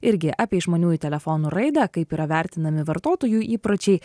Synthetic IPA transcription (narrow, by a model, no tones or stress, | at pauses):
ɪɾʲɡʲɪʔɑːpʲiɛʒmoːnʲuːjɪt̪ʲɛlʲɛfonuːɾɐɪd̪ɐkɐɪpiːɾɐʋʲæˑɾʲt̪ʲɪnɐmʲɪʋɐɾt̪oːt̪oːjuːʔiːpɾot͡ʃʲɛɪ